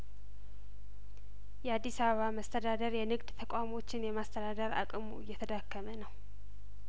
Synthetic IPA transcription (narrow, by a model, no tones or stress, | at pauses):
jɛad̪ːisaβəβaməst̪ʰəd̪ad̪əɾjɛnɨɡd̪t̪ʰəkʼamo̞t͡ʃːɪnjɛmast̪ʰəd̪ad̪əɾa̰kʼɨmujːɛt̪ʰəd̪akːəmənəw